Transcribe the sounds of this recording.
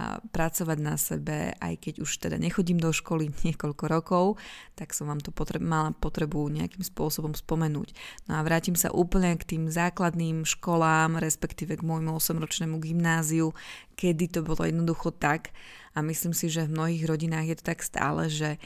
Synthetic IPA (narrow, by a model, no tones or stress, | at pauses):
pɾat͡sɔʋaɟnasɛbɛ̰ʔa̰jkɛɟuʃt̪ɛd̪a̰ɲɛxɔɟimd̪ɔʃkɔliɲɪɛkɔʎkɔɾɔkɔʊt̪aksɔmʋaːmt̪ɔpɔt̪ɾɛmalapɔt̪ɾɛbuɲɛa̰kimspʊɔsɔbɔmspɔmɛnṵːcnɔaʋɾaːcimsa̰ʔuːpl̩ɲɛkt̪iːmzaːklad̪niːmʃkɔlaːmɾɛspɛkt̪iːʋɛɡmɔjmuɔsɛmɾɔt͡ʃnɛːmuɡimnaːziu | kɛd̪it̪ɔbɔlɔ̰jɛd̪nɔd̪uxɔt̪ak | amisliːmsiʒɛvmnɔɦiːɣɾɔɟinaːɣjɛt̪ɔ̥t̪akst̪a̰ːlɛ̰ʒɛ